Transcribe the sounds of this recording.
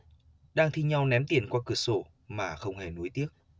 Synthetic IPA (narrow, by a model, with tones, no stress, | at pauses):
ɗaː˧ŋt̪ʰi˧ɲa˧wnɛ˨˦mt̪i˧˩ənkwaː˧kɨ˧˩əso˧˩ | maː˨˩xə˧wŋ͡mhe˨˩nu˨˦jt̪i˦˥ək̚